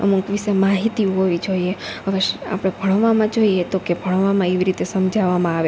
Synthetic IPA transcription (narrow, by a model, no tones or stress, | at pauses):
ə̰mukʋisemaɦit̪iuɦoʋid͡ʒoieɦəʋeʃa̰pɽ̃ebʱəɽ̃ʋːamãd͡ʒoiet̪okebʱəɽ̃ʋamãeʋiɾit̪esəmd͡ʒʱaʋamãaʋe